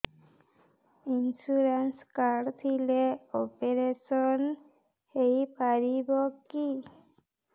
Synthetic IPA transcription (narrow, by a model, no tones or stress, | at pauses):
insuɾenskaɾɖt̪ʰileopeɾesɔn | hejpaɾibɔki